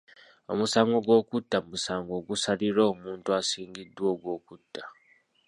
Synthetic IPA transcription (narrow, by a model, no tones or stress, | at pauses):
o̞̰musaːŋɡo̞ɡwo̞ːkutːamusaːŋɡo̞ːɡusaliɾoːmuːntuasiːŋɡidːwo̞ːɡwo̞ːkutʰːḁ